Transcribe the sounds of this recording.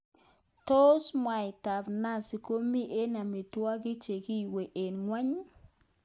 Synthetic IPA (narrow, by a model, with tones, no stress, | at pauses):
to˦smwa˨jta˨bna˦˨si˨ko˦mi˦ʔe˦na˨mi˨twa˦kɪ˦t͡ʃe˨ki˦˨we˨ʔe˨nŋwa˦ɲ˦